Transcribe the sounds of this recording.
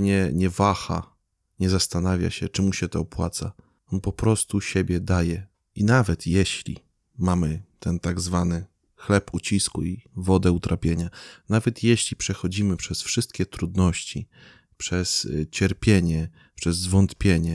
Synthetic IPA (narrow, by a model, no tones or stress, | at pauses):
ɲɛɲɛvaxa̰ | ɲɛzast̪anavʲja̰ɕɛt͡ʂɘmuɕɛt̪ɔːpwat̪sa̰ | ɔnpɔpɾɔst̪uɕebʲjɛd̪ajɛ | inavɛt̪jɛɕlʲḭ | mamɘt̪ɛnt̪aɡzvanɘ | xlɛput͡ɕiskuivɔd̪ɛut̪ɾʔapʲjeɲanavɛt̪jɛɕlʲipʂɛxɔd͡ʑimɘpʂɛsfʂɘst̪̚kʲɛt̪ɾud̪nɔɕt͡ɕi | pʂɛst͡ɕɛɾpʲjeɲɛ | pʂɛzːvɔnt̪pʲjeɲɛ